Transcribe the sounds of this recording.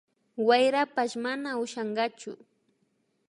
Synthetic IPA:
wajɾapaʃmanaʊʃɑɴɢɑt͡ʃʊ̰

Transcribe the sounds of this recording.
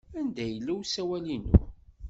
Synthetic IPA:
ænd̪æjəlːiwsæwælinṵ

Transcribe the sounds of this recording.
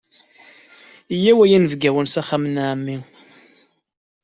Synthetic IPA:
ijːæwæjænəvɡæwənsæχamnʕmːi

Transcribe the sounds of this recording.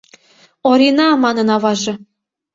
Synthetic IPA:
oɾʲinɑmɑnə̆nɑβɑʒĕ

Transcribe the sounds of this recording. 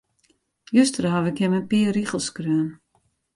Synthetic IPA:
jøstərɦaʋɪkjɛmənpiəriχəlˠskrøːən

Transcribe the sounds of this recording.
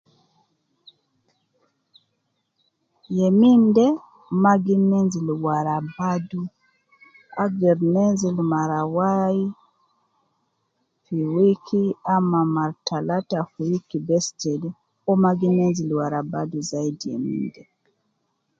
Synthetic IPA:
jɛmindɛ | maɡinɛnzilwaɾabadu | aɡɛɾnɛnzilmaɾawai | fiwikʰiamamaɾtalatafiwikibɛstɛli | ɔmaɡinɛnzilwaɾabaduzaidijɛ̰mḭndɛ

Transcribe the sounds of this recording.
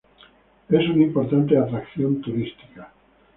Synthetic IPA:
esunaimpo̞ɾt̪ant̪̬eat̪ɾakθjo̞nt̪uɾist̪i̥ka

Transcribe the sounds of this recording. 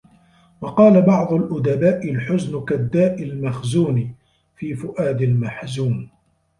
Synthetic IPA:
wɑqɑːlabɑʕd̪ˤʊlʔʊd̪abaːʔɪlħʊznkad̪ːaːʔɪlmaxzuːn | fiːfʊʔaːd̪almaħzuːn

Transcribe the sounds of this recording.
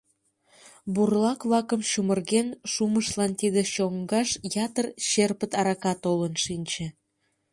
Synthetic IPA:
burlɑkβlɑkəmʃumərɣenʃuməʃlɑnt̪id̪eɕoŋɡɑʃjɑt̪ərɕerpət̪ɑɾɑkɑt̪olənʃinʲt͡ɕĕ

